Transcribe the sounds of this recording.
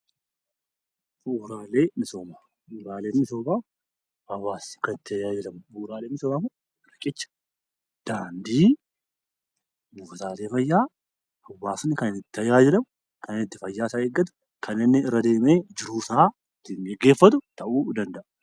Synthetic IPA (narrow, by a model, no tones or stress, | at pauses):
fuuːɾaːle̞ːmɪsoːmɐ | fuːɾaːle̞ːnːɪso̞ːba | ɐwːaːsnɪ̥kɐnɪt̪ːɪɐjaːd͡ʒɛlɐmʊuːɾaːleːmɪsoːmɐmʊ | ɾɐkʼɪt͡ʃːɐ̥ | d̪̥aːnd̪iː | mʊft̪aːleːfɐjːaː | ɐwːaːsnːɪkɐnɪnɪt̪ːɐjaːd͡ʒɛlɐmʊ | kʰɐnɪnɪt̪ːɪfɐjːaːsaeːɡːɐt̪ʊ̥ | kʰɐnɪnːɪɪrːɐd̪e̞ːmeːd͡ʒɪɾuːsaː | t̪ːɪŋɡɛɡːe̞ːfːɐt̪̬ʊt̪ɐʔuːd̪ɐnd̪ɐʔɐ̥